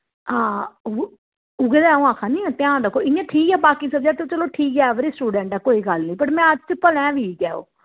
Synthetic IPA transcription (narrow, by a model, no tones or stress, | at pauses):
ãː | ʊɡed̪ɛːõːãːkʰaːnĩːɛ̃ːt̪ɪjãːd̪əkoːɪnɛ̃ːʈʰiːkɛːbaːkiːsəbd͡ʒaːt̪ot͡ʃəloːʈʰiːkɛːʋɾiːsʈuːɖɛ̃ːɳʈaːkoːiːɡəlnĩːpəʈmɛ̃ːəd͡ʒt͡ʃpəlɛ̃ːʋiːɡɛːo̰ː